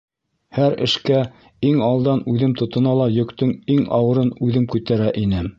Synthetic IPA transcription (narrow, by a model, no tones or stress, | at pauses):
hæɾɘ̰̆ʃkæ | iŋɑlˠd̪ɑnʉðɘmt̪ŏt̪ɤ̆nɑlˠɑjɵ̆kt̪ɵŋiŋɑ̰wɤ̆ɾɤnʉðɘmkʉt̪æɾæʔinɘ